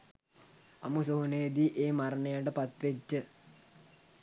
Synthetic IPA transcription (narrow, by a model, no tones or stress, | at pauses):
ɐ̰musoɦuneːd̪iʔeːmɐɾɐɳɐjaɳɖəpɐt̪ʋet͡ɕːɨ